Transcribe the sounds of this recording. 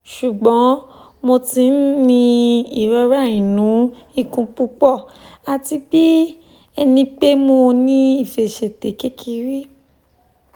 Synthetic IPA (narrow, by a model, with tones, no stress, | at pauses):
ʃu˨ɡ͡bɔ̃˨˦ | mo˧ti˧n̩˦nĩ˧i˨ɾɔ˧ɾa˦˨ĩ˨nũ˨˦i˦˨kũ˧k͡pu˦k͡pɔ˦˨ | a˨ti˧k͡pi˦ | ɛ˧nĩ˧k͡pe˦mo˧nĩ˦i˦˨fe˨ʃɛ˨te˨˦ke˦kʰi˧ɾi˦